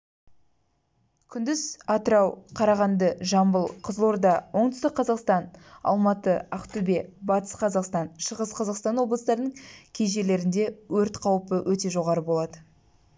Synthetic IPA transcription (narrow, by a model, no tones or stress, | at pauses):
kʲʰʏnd̪ɪzɑt̪əɾɑwqʰɑɾɑʁɑnd̪əʒɑmbəlˠqʰəzlˠo̞ɾd̪ɑwo̞ɴd̪ʏ̥st̪ɪkqqʰːɑzɑqst̪ɑnɑ̰lˠmɑt̪əɑqt̪ube̞bɑt̪ə̥sqʰɑzɑqst̪ɑnʃəʁəsqʰɑzɑqst̪ɑnwo̞blˠəsd̪ɑɾnəɴkʲʰejʒe̞le̞ɾɪnd̪e̞wɵɾt̪qʰɑwpəwʔɵt̪e̞ʒo̞ʁɑɾəbo̞lˠɑd̪ə